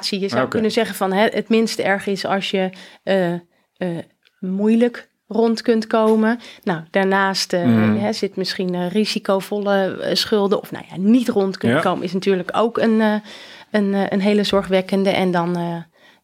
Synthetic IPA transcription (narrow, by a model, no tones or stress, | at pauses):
sijəzawkønəzɛχəvɑnɦɛʔətmɪnstɛɹχəɪsɑ̰lˠsjə | ə | mujlək | rɔntkɵntkowmənawd̥aːɹnaːstɦɛzɪtmɪsχinrizikowvɔləsχʏlˠdəɔ̰fna̰wja̰nitrɔntkønkowmə̰ɪsnatyːɹləko̰wkən | ənʔənɦejləzɔɹχʋɛkəndəʔɛndɔn